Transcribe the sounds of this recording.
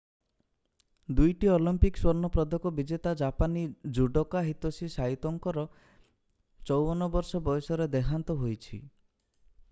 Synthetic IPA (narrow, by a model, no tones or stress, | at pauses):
d̪ujʈiɔlimpikswɔɾnɔpɾɔd̪ʱɔkɔbid͡ʒet̪ad͡ʒapanid͡ʒuɖɔkaɦit̪ɔsisait̪ɔŋkɔɾɔ | t͡ʃɔwbɔnɔbɔɾsɔbɔjɔsɔɾed̪ekʰant̪ɔɦojt͡ʃʰḭ